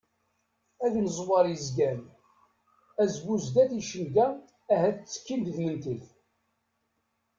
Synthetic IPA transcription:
æðnəzˤwɑɾˤjizɡæn | æzbuzd̪æθiʃənɡæː | ɦæθt͡sːə̥kːind̪ðmənt̪əθ

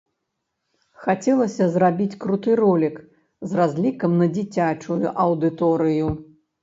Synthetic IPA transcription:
xat͡sʲɛlˠɐsʲɐzrabʲit͡sʲkɾut̪ɨrɔlʲik | zrazʲlʲikɐmnɐd͡zʲit͡sʲat͡ʂujṵʔɐwd̪ɨt̪ɔɾɨju

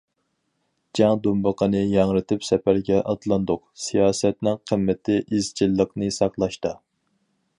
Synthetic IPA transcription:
d͡ʒɛŋd̪umbəqʰənɨjɑŋɾɨt̪ʰɪpsɛpæɾɡʲɛʔɑd̪lˠɑnd̪ʊqsijɑːsɛt̪nɪŋqʰəmːɪt̪ʰɪʔizt͡ʃʰilˠːəqnɨsɑqlˠɑʃt̪ɑ

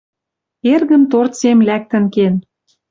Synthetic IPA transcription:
erɣə̆nt̪ort̪semlæk̚t̪ə̆nken

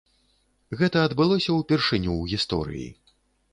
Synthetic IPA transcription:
ɣɛt̪ɐɐd̪bɨlˠɔsʲɐwpʲɛrʂɨnʲuwɣʲist̪ɔ̰ɾɨ̰jḭ

